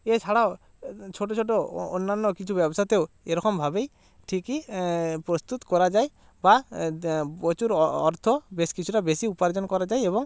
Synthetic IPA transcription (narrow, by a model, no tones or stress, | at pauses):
et͡ʃʰaɽao | t͡ʃʰoʈot͡ʃʰoʈ̬oonːanːɔkit͡ʃʰubɛbɔsat̪eʊ | eɾɔkɔmbʱabej | ʈʰikipɾɔst̪ut̪kɔɾad͡ʒaj | ba | ɔt͡ʃuɾɔɾt̪ʰɔbeskit͡ʃʰuʈabesiupaɾd͡ʒɔnkɔɾad͡ʒajebɔŋ